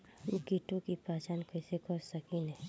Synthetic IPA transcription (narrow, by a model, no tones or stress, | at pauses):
ukiʈõkipaːt͡ʃaːnkɛːsekɔsəkinɛ̃ː